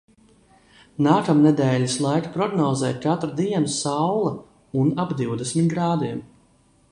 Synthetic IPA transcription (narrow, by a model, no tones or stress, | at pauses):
naːkamnɛd̪ɛːlʲislˠajkḁpɾɔɡnɔːzɛːt̪̚ʲkat̪ɾad̪iɛnsawlˠɐ | unabd̪iwd̪ɛsmʲit̪ɡɾaːd̪iɛm